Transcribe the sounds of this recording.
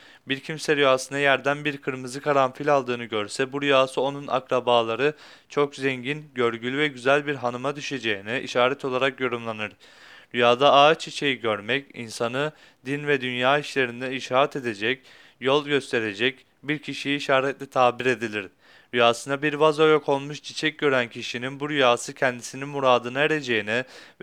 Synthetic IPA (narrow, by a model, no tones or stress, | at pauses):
biɾcʰimsɛɾyjaːsɯnajæɾd̪ænbiɾkʰɯɾmɯzɯkʰaɾamfilʲalˠd̪ɯːnɯɟøɾsɛbuɾyjaːsɯo̞nuna̰kɾabaːlˠaɾɯ | t͡ʃʰo̞kzɛɲɟinɟøɾɟylʲyvɛɟyzælʲbiɾɦanɯmad̪yʃe̞d͡ʒejinɛʔḭʃaːɾɛt̪ʰo̞lˠaɾakjo̞ɾumlˠanɯɾ̥ | ɾyjaːd̪aaːt͡ʃʰit͡ʃʰe̞jiɟøɾmɛcḭnsanɯ | d̪invɛd̪ynjaːiʃlʲe̞ɾind̪ɛiʃaːɾɛt̪ʰe̞d̪e̞d͡ʒɛc | jo̞lˠɟø̞st̪ʰe̞ɾe̞d͡ʒɛc | biɾcʰiʃijiːʃaːɾɛt̪lʲɛt̪ʰaːbiɾe̞d̪ilʲiɾ̥ | ɾyjaːsɯnabiɾvazojokʰo̞lˠmuʃt͡ʃʰit͡ʃʰɛc̚ɟø̞ɾæncʰiʃininbuɾyjaːsɯcʰɛnd̪isininmuɾaːd̪ɯnaeɾe̞d͡ʒe̞jinɛ